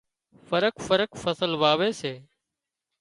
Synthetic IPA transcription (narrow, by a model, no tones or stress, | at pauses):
fəɾəkfəɾəkfəsəlʋaːʋeːseː